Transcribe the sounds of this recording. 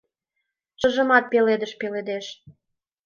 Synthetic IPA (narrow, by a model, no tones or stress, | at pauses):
ʃə̆ʒə̆mɑt̪̚peled̪əʃpeled̪eʃ